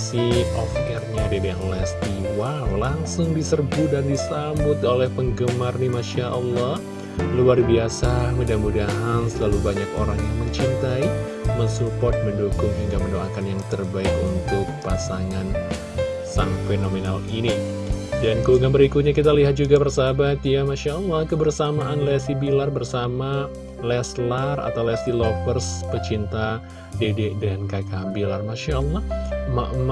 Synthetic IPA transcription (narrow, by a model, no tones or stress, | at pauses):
siʔɔfɛrɲadidiaŋlɛst̪iwalaŋsʊŋdisərɡudandisambʊt̪olɛhpəŋɡəmarnimaʃaʔɑlːɑh | luarbiasamudamudaɦansəlalubaɲakoɾaŋjaŋməɲt͡ʃint̪ai | məsupɔrt̪̚məndukʊŋɦiŋɡaməndoakanjaŋt̪ərbaɪkunt̪ʊk̚pasaŋan | saŋfenomenalini | dankəuŋɡanbəɾikʊt̪̚ɲakit̪aliɦat̪̚d͡ʒuɡabərsabat̪jamaʃalːɑhkəbərsamaʔanlɛsibilarbərsama | lɛslara̰t̪awlɛsdilopərspət͡ʃint̪a | dededankajkabilarmaʃalːɑhma̰ʔm